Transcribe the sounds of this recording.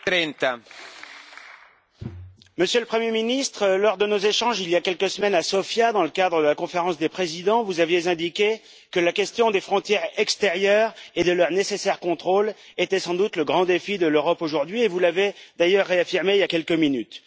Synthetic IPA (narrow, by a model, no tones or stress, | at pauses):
ɾɛnt̪a | məsjøləpχəmjeminist̪χəlɔʁd̪ənozeʃɑ̃ʒiljakʲɛlkəsmɛnasɔfjad̪ɑ̃ləkad̪ʁəd̪əlakɔ̃feʁɑ̃sd̪epχezid̪ɑ̃vuzavjezɛ̃d̪ikʲe | kəlakʲɛst̪jɔ̃d̪efχɔ̃t̪jɛʁɛkst̪eʁjœʁed̪əlœʁnesesɛʁkɔ̃t̪χolet̪ɛsɑ̃d̪ut̪ləɡʁɑ̃d̪efid̪əløʁɔpoʒuʁd̪ɥievulaved̪ajœʁːeafiʁmeiljakʲɛlkəminyt̪